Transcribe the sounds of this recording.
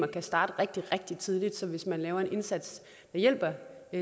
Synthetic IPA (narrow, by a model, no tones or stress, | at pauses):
mɐkʰæsd̥ɑ̈ːd̥əʁeɡ̥̚d̥iʁɛɡ̥̚d̥it͡sʰið̞ˠlid̥sɒ̽ʋe̝smænlɛːʊɐe̝nʔe̝nsæd̥s | d̥ɑ̈jel̰b̥ɐ